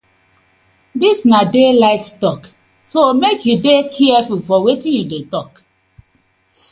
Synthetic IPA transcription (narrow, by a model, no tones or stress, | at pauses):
disnadelaɪkstɔk | somekʰjudekʰɛɛfulfɔwetĩnjudetɔk